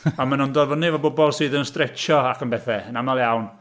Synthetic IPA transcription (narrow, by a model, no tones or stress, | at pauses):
amanɔndɔðvənɪvɔbʊbɔlˠsɨːðənstrɛt͡ʃɔakʰənbɛθɛənamalˠjawn